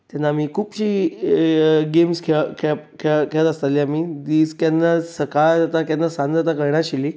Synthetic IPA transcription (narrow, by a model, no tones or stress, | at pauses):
t̪janːaːmiːkʰuːpɕiː | ɡemskʰekʰkʰekeɭət̪əst̪at̪liamid̪iːskanːasəkad͡zat̪akanːasãnd̪d͡zat̪̬akəɾɳaɕiliː